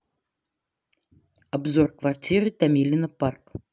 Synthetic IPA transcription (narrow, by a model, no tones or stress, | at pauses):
abzɔrkvart͡sʲirɨt̪amʲilʲinɐpark